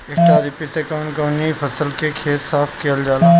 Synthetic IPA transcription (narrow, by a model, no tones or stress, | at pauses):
ɪʈaːɾipisekãːɳkɐːnipʰɐsəlkekʰeːt̪saːpʰkijəld͡ʒaːlaː